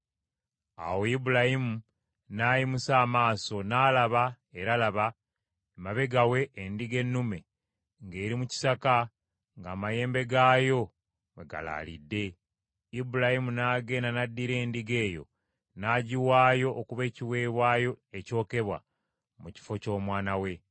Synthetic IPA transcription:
a̰wo̞ibulahimu | naːjimusaːmaːso̞naːlaβa | e̞ɾalaβa | maβe̞ɡawe̞ːndiɡe̞nːume̞ | ŋɡe̞ːɾimuci̥saka | ŋɡaːmaje̞ːmbe̞ɡaːjo̞ | we̞ɡa̰la̰ːlḭdːe̞ | ibulahimunaːɡe̞ːnanadːiɾe̞ːndiɡe̞ːjo̞̰ | naɟiwaːjo̞ʔːkuβe̞ːciwe̞ːβwaːjo̞eco̞ːke̞βwa̰ | muci̥fo̞co̞ːmwaːnawe̞

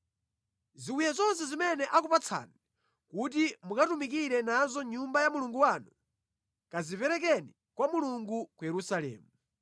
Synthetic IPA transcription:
ziwijazɔns̬ɛzimɛnɛʔak̬upat͡sʰa̰ni | kut̬imukatumik̬iɾɛnazɔɲumbajamuluŋɡuwanu | kazipɛɾɛk̬ɛni | kwamuluŋɡukujɛɾusalɛ̰ːmu

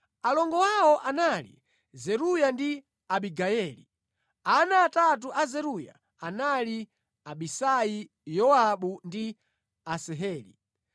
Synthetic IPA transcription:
alɔŋɡɔwawɔʔanalḭ | zɛɾujandi | aɓiɡaɛːlḭ | anaːtat̬uʔazɛɾuja̰ | anali | aɓisaji | jɔaɓundi | asɛɦɛːlḭ

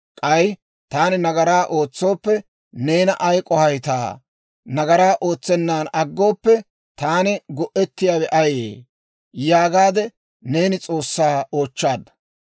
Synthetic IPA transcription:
kʼɐj | t̪aːnɪnɐɡɐɾaːʔo̞ːt͡sːo̞ːpːɛ | ne̞ːnɐʔɐjkʼɔhɐjt̪a̰ː | nɐɡɐɾaːʔo̞ːt͡sːɛnːaːnɐɡːo̞ːpːɛ | t̪aːnɪɡɔʔɛt̪ːɪjaːwɛʔɐjḛː | jaːɡaːd̪ɛ | ne̞ːnɪt͡sʼo̞ːsːaːo̞ːt͡ʃːaːd̪ɐ̥

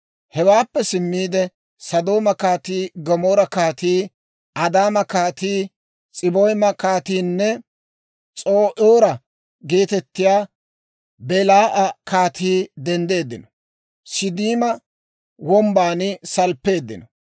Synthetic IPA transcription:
hɛwaːpːɛsɪmːiːd̪ɛ | sɐd̪o̞ːmɐkaːt̪iːɡɔmoːɾɐkaːt̪iː | ʔɐd̪aːmɐkaːt̪iː | t͡sʼɪbojmɐkaːt̪iːnːɛ | t͡sʼoːʔoːɾɐ | ɡe̞ːt̪ɛt̪ːɪjaː | bɛlaːʔɐkaːt̪iːd̪ɛnd̪e̞ːd̪ːɪnɔ | sɪd̪iːmɐ | wɔmbaːnɪsɐlpːe̞ːd̪ːɪ̰nɔ

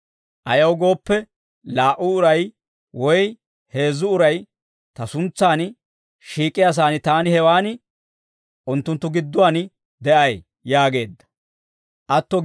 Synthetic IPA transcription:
ʔɐjɐwɡo̞ːpːɛ | laːʔʊːɾɐj | wɔj | he̞ːzːʊʊɾɐj | t̪ɐsʊnt͡sːaːn | ʃiːkʼːɪjaːs̬aːnɪt̪aːnɪhɛwaːnɪ | ʔʊnt̪ːʊnt̪ːʊɡɪd̪ːʊwaːn | d̪ɛʔɐj | jaːɡe̞ːd̪ːɐ̥ | ʔɐt̪ːɔ

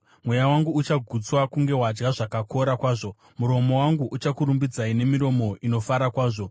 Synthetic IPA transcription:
mwe̞jawaŋɡuut͡ʃaɡʱut͡swakuŋɡe̞wad͡ʒɡaʐakakʰo̞ɾakwaːʐo̞ | muɾo̞mo̞waŋɡuʔut͡ʃakuɾumbid͡zaine̞miɾo̞mo̞ʔino̞faɾakwaːʐo̞

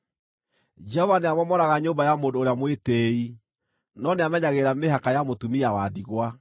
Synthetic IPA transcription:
d͡ʒɛɔvaneamɔmɔɾaɣaɲoːmbajamoːndoːɾeamwetei | nɔneamɛɲaɣeɾameɦakajamotumiawaðiɣwa

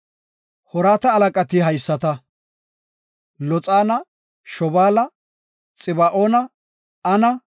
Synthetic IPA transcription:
hɔɾaːt̪ɐːlɐkʼɐt̪iɦɐjsːɐt̪ɐ | lɔt͡sʼaːnɐ | ʃɔbaːlɐ | t͡sʼɪbaʔoːnɐ | ɐnɐ

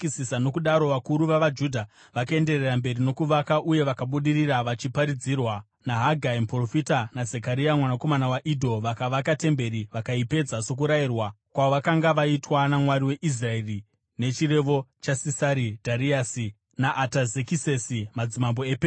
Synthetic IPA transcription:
isisano̞kuɗaɾo̞ʋakuɾuʋaʋad͡ʒudʱa | ʋakae̞ndererambe̞rino̞kuʋakaʔuje̞ʋakaɓuɗiriraʋat͡ʃipaɾid͡zirwa | naɦaɡʱaimpro̞fitanazekaɾiamwanako̞manawaʔidʱo̞ʋakaʋakate̞mbe̞ɾiʋakaipe̞d͡zaso̞k̬uɾairwa | kwaoʋakaŋɡaʋaitwanamwaɾiwe̞ʔis̬raeri | ne̞t͡ʃire̞ʋo̞t͡ʃasisaɾidʱaɾiasi | naʔːtazekisesimad͡zimamboeːpe

